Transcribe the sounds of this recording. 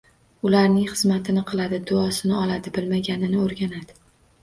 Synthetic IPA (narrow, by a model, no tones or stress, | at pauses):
ʊlaɾnɪŋχɨzmat̪ʰɪnɪqʰɨlˠad̪ɪd̪ʊɒsɪnɪɒlad̪ɪbɪlmaɡʲanɪnɪoɾɡʲanad̪ɪ